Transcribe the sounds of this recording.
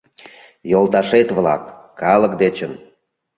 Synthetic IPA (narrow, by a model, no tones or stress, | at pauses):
jolt̪ɑʃet̪βlɑ̰kː | ɑlə̆kd̪et͡ɕən